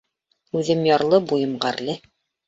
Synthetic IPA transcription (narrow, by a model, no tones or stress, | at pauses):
ʉðɘmjɑɾlˠɤbujɤ̆mɢæɾlɘ